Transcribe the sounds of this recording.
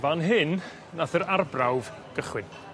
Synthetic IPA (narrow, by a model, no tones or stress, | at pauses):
vanɦɪn | naθəɾarbrawv | ɡ̥əχwɪn